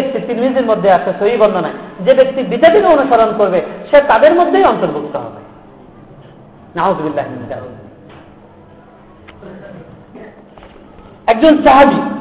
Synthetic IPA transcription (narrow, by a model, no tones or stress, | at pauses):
ek̚t̪it̪inminitiɾmod̪ʱːeaʃasoibɔnd̪ʱonaed͡ʑebek̚t̪ibid͡ʑapit̪oonuʃɔɾonkoɾbeʃet̪ad̪eɾmod̪ʱːejɔnt̪oɾbuk̚t̪oɦɔ̰bḛ | naozubilɾaɦiminid̪a̰ɾṵ | ɛk̚d͡ʑont͡ɕaɦad͡ʑ